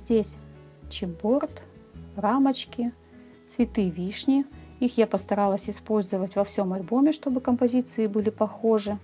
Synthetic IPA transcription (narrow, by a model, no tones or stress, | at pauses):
zʲdʲesʲ | t͡ɕɪbo̞rt̪ramɐt͡ɕkʲɪ | t̪svʲɪt̪ɨvʲiʂnʲɪixjapəst̪ɐɾalˠəsʲɪspo̞lʲzɨvətʲvɐfsʲo̞mɐlʲbo̞mʲɪʂt̪o̞bɨkəmpɐzʲit̪sɨɪbɨlʲɪpɐxo̞ʐɨ